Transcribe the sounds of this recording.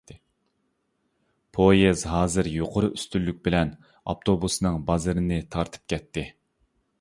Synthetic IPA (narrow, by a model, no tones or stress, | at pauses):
pʰojezɦɑːzɨɾjoqʰoɾʊyst̪ylːyk̚ʲbɪlɛn | ɑ̰pt̪ʰobusnɨŋbɑzɨɾɨnɨt̪ʰɑɾt̪ʰɨ̥p̚kʲɛt̪ʰːɪ